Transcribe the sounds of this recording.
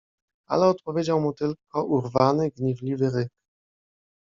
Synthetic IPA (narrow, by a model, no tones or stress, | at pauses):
a̰lɛɔt̪pɔvʲjed͡ʑawmut̪ɘlkɔʔuɾvanɘɡɲɛvlʲivɘɾɘk